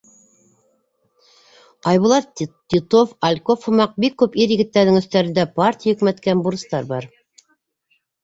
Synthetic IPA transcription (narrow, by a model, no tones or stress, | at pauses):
ɑjβulˠɑt̪ʲit̪ofɐlʲkofhumɑq̚bikːʉpiɾjɘ̆ɡɘ̆t̪ːæɾðɘŋɵ̆st̪æɾɘ̆nd̪æpart̪ʲijaɵ̆kmæt̪kænbuɾɤ̆st̪ɑɾbɑɾ